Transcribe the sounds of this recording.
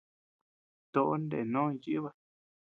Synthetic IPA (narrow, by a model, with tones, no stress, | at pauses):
t̪o˧ʔo˦nd̪ḛ˨nõ˦˧ji˦βa˧